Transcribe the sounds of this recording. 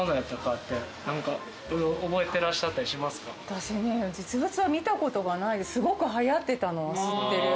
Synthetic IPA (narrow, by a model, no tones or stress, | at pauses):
onaat̪ːakat̪ːe | nãŋka | oɾeoobo̞e̞t̪e̞ɾaɕi̥ɕat̪ːaɾʲiɕimasɨ̥kat̪aɕened͡ʑit͡sɨbɯt͡sɨβamʲit̪ako̞t̪o̞ɡanaisɨɡo̞kɯ̟ɦajat̪ːe̞t̪ano̞βasɨt̪ːe̞ɾɯ̟